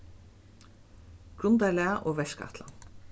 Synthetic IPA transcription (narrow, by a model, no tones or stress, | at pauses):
ɡ̥ɾʊnd̪ælɛːaʔoːʋɛʃka̰t̪la̰